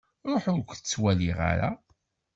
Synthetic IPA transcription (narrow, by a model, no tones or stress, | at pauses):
ɾˤoħʊɾkʷθət͡sːwæliʁa̰ɾa̰